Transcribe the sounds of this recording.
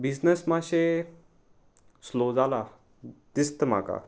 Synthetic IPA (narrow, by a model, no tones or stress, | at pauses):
bid͡znəsmaɕe | slod͡zala | d̪ist̪əma̰ka̰